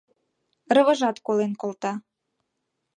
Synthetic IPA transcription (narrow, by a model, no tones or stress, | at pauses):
rəβə̆ʒɑt̪kolenkolˠt̪ɑ